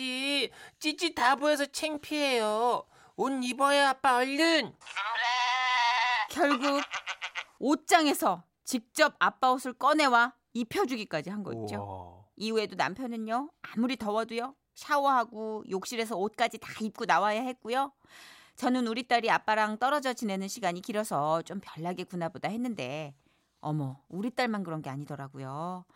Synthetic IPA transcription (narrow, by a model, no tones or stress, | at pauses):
it͡ɕ͈it͡ɕitabues̬ʰʌt͡ɕʰeŋpʰiɦejʌ | onibʌeap͈aʌʎːɯn | kjʌɭɡuɡ̚ | ot̚t͡ɕ͈aŋe̞sʰʌ | t͡ɕik̚t͡ɕ͈ʌbap͈aosʰɯɭk͈ʌne̞wa | ipʰjʌd͡ʑuɡik͈ad͡ʑiɦanɡʌ̰ḭt͡ɕ͈oiuedona̰mpʰjʌnɯɲoamuɾitʌwʌdujo | ɕʰawʌɦaɡojok̚ɕ͈iɾe̞s̬ʰʌot̚k͈ad͡ʑitaip̚k͈unawajaɦe̞t̚k͈ujo | t͡ɕʌnɯnuɾit͈aɾiap͈aɾaŋt͈ʌɾʌd͡ʑʌt͡ɕine̞nɯnɕʰiɡaɲikiɾʌsʰʌt͡ɕ͈ompjʌɭːaɡekunabodahe̞nːɯnde̞ | ʌmʌuɾit͈aɭmankɯɾʌnɡe̞aɲidʌɾaɡujo